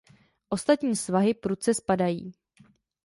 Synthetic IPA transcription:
ʔo̞st̪at̪ɲiːsvaɦɪpɾut͡sɛspadajḭː

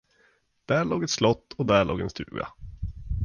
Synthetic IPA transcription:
d̪̥æːɭoːɡɛt̪slɔt̪ːɔd̪æɭo̰ːɡɛnst̪ʉ̟̰ːɡa̰

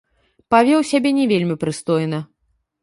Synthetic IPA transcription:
pavʲɛwsʲabʲɛnʲɛvʲelʲmʲipɾɨst̪ɔjnɐ

